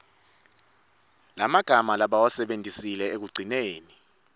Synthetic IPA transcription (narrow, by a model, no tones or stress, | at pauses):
lamaɡ̥ʱamalaɓawasɛɓendʱisilɛek̬uɡ͡ǀʱineːni